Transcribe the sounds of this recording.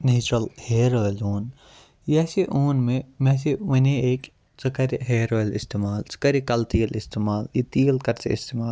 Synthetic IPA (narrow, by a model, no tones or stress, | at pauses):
neːt͡ʃɾɐlheːɾoːloːn | jɛːseʔoːnmẽmɛ̃ːs̬eʋɐneeːk | sɐkɐɾɦeːɾoːlɪst̪eːmaːlsɐ̥kɐɾikɐlt̪iːlɪst̪eːmaːljit̪iːlkɐɾt͡ʃḛɪst̪eːmaːl